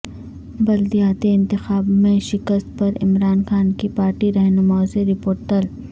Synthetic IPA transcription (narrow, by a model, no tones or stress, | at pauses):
bɐld̪ijaːt̪iɪ̃nt̪ɪxaːbmẽʃɪkəst̪̚pɐɾɪ̰mɾaːnxaːnkipaːɾʈiɾɐɦnʊmaːoseɾɪpoːɾʈɐl